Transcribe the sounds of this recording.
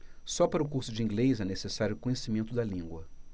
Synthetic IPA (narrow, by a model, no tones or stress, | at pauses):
sɔpaɾʊkuɾsʊd͡ʒɪĩŋɡlejzɛnesesaɾjʊkõɲesimẽnt̪ʊd̪ɐlĩŋɡwɐ